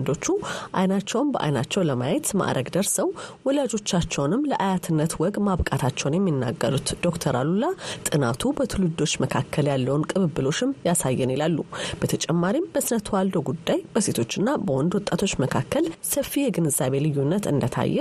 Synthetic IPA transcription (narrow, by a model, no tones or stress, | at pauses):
nd̪o̞t͡ʃːuʔajnat͡ʃːɛwmbəʔa̰jnat͡ʃːɛwləmajɛt̪ma̰ʔɾʔəɡd̪əɾsəwwɔlad͡ʒo̞t͡ʃːat͡ʃːɛwnɨmːləʔajat̪ʰɨnːət̪wɔɡmaβkʼat̪ʰat͡ʃːɛwnjɛmːinːa̰ɡːəɾut̪d̪̥o̞kt̪ʰəɾalulat̪ʼɨnat̪ʰubət̪ʰɨlud̪o̞t͡ʃːməkʰakʰːəljalːəwnkʼɨβɨbːɨlo̞t͡ʃːɪmjasajːɛnilalːub̥ət̪ʰət͡ʃʼɛmːaɾimbəsnət̪ʰwald̪o̞ɡud̪ːajb̥əse̞t̪ʰo̞t͡ʃːɨnːabəwɔnd̪wɔt̪ʼːat̪ʰo̞t͡ʃːməkʰakːəlsəfːijɛɡɨnɨzaβe̞lɨjːunːət̪ɨ̰nd̪ət̪ʰa̰jːɛ